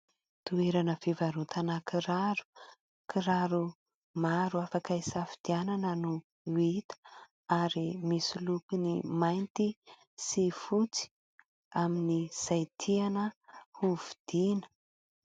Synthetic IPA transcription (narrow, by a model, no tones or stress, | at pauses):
t̪ueɾanəfivaɾut̪ʰanakiɾaɾu̥ | kiɾaɾu | maɾuafakaisafid̪̥iananənu | it̪ə̥ | aɾimisulukinimajnt̪i | sifut͡si̥ | aminiz̥ajt̪ʰianəhuvid̪̥inə̥